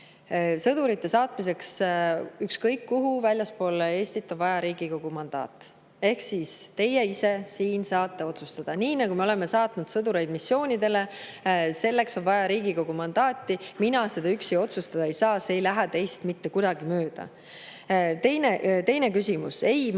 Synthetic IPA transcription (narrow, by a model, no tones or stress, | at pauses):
sɤd̪̥uɾit̪ːe̞sɑːt̪mis̬e̞ks | ykskɤjkːuɦuvælʲjɑspo̞ːle̞ːsʲt̪it̪ːˑo̞nvɑjɑɾiːɡ̥iko̞ɡ̥umɑnd̪̥ɑ̰ːt̪ːˑ | e̞hksiːst̪e̞je̞ise̞siːnsɑːt̪ːe̞o̞t̪sust̪ɑd̪̥ɑniːnɑɡumeo̞le̞me̞sɑːt̪nud̪̥sɤd̪uɾe̞jd̪misːjo̞ːnʲid̪e̞le̞ | se̞lːe̞kso̞nvɑjɑɾiːɡiko̞ɡ̥umɑnd̪̥ɑːt̪ːiminɑse̞d̪̥ɑyksijo̞t̪sust̪ɑd̪ɑejsɑːsee̞jlæɦæt̪e̞jst̪mit̪ːe̞kujd̪ɑɡ̥imø̞ːd̪̥ɑ̰ | t̪e̞jnet̪e̞jne̞kysʲimuse̞j